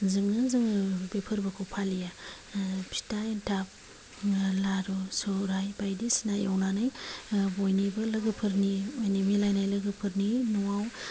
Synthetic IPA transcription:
zɯŋnɯzɯŋbepʰɯɾbɯkʰɯwpʰalija | pʰi̥taentʰap̚ | laɾɔsɔɾajbajdisinajawnanajbojnibɯlɐɡɯpʰɯɾniojnimilajnajlɯɡɯpʰɯɾninɔwaw

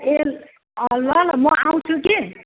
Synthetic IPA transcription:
el | ʌlʌlmʌaw̃t͡sʰuki

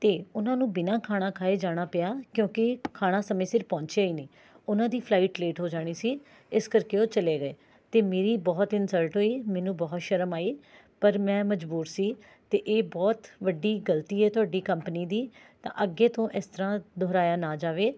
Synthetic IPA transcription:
t̪eːʊnãːnũːbɪnãːkʰaːɽ̃ãːkʰaːeːd͡ʒaːɽ̃aːpɪjaːkjõːkɪkʰaːɽ̃ãːsəmẽːsɪɾpɔ̃ːɲt͡ʃaːiːniː | ʊnãːd̪iːpʰlaːiːʈleːʈɦoːd͡ʒaːɽ̃iːsiː | ɪskəɾkeːoːt͡ʃəleːɡəeː | t̪eːmeːɾiːbɔːt̪ɪnsəɾʈɦoːiːmɛ̃ːnũːbɔːt̪ʃəɾəmaːiː | pəɾmɛ̃ːməd͡ʒbuːɾsiː | t̪eːʔeːbɔːt̪ʋəɖːiːɡəlt̪iːeːt̪ʊaːɖiːkəmpəniːd̪iːt̪ã̰ːʔəɡːeːt̪õːʔɪst̪əɾãːd̪ʱɔːɾaːjaːnaːd͡ʒaːʋeː

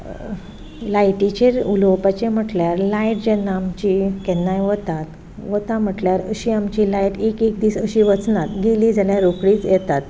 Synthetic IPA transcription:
lajʈit͡ɕeɾulowpat͡ɕem̤əʈljaɾlajʈd͡ʑɛnːaːmt͡ɕikɛnːajʋət̪at̪ | ʋət̪am̤əʈljaɾə̰ɕiamt͡ɕilajʈekekd̪iːsəɕiʋət͡snat̪ɡelid͡zaljaɾokɽiːt͡sjɛt̪at̪

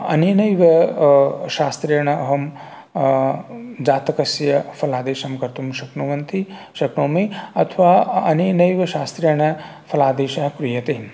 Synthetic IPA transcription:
ɐ̰nenɐjʋɐ | ʃaːst̪ɾɐjɳɐɐɦɐm | d͡ʒaːt̪ɐkɐsjɐpʰɐlaːd̪eːʃɐmkɐɾt̪umʃɐknoʋɐnt̪i | ʃɐknoːmeɐt̪ʰʋaːɐneːnɐjʋɐʃaːst̪ɾɐjɐɳɐ | pʰɐlaːd̪eːʃɐɦɐkɾijɐt̪eːm

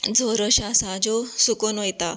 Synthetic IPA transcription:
d͡zʱoɾɔɕasad͡zosukɔnojt̪a

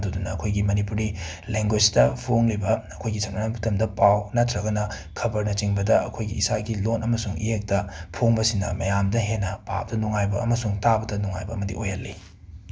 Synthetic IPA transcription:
dudunɐːkʰojɡimɐnipuɾileŋɡwed͡ʒdɐpʰoŋlibɐɐkʰojɡisʰɐŋɐnapʰu̥tʰɐmdɐpawnatʰɾɐɡɐnɐ | kʰɐbɐɾnɐt͡ʃiŋbɐdɐʔɐ̰kʰojɡḭːsaɡilonɐmɐsuŋḭjek̚tɐpʰoŋbɐsinɐ̰mɐjamdɐɦenːɐpa̰wbɐdɐnuŋajbɐ̰ɐ̰mɐsuŋtabɐdɐnuŋa̰jbɐːmɐdḭʔojɐlːḭ

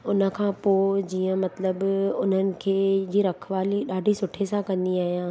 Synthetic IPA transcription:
ʊnə̆kʰãːpoːd͡ʑiːə̃mɐt̪ləbʊn̤ənɪ̆kʰeːd͡ʑiːɾɐkʰʋaːliɗaːɖʱisʊʈʰesãkɐ̃nd̪iaːɦijãː

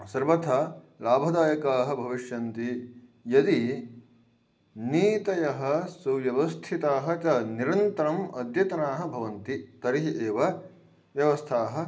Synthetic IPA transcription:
sɐɾʋɐt̪ʰɐ | laːbʱɐd̪aːjɐkaːɦɐ̆bʱɐʋiʃjɐnt̪ijɐd̪i | niːt̪ɐjɐɦɐsuʋjɐʋɐst̪ʰit̪aːɦɐt͡ʃɐniɾɐnt̪ɐɾɐmɐd̪jɐt̪ɐnaːɦɐ̆bʱɐʋɐnt̪it̪ɐɾiɦiʔeːʋɐ | ʋjɐʋɐst̪ʰaːɦɐ̆

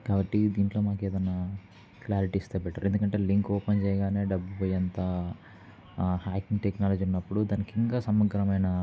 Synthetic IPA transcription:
kaːbɐʈːid̪iːɳʈlo̞ːmaːkeːd̪ɐnːaː | klaːɾiʈiːst̪ebɛʈːaɾuend̪ukɐɳʈe̞ːliŋkoːpɐnt͡ʃɛjɐɡaːne̞ːɖɐbːupojɐnt̪ɐ | haːkiŋɡʈeknaːlɐd͡ʒiunːɐpːuɽud̪aːnikiŋkaːsɐmːɐɡɾɐmɐjnɐ

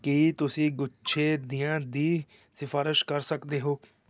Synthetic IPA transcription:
kiːt̪ʊsĩːɡʊʃʰeːd̪ijãːd̪iː | sɪfʰaːɾɪʃkəɾsəkd̪eːɦoː

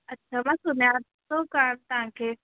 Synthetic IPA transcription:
ɐtːɕʰamãːsʊnja | sokamt̪ɐɦãkʰeː

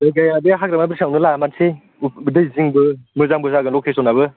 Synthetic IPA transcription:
dajɡajabeaɦakɾamabiɾsawnɯlamatsʰe | dɯjziŋbɯmɯzaŋbɯzaɡɯlɔkʰesɔnaβɯ

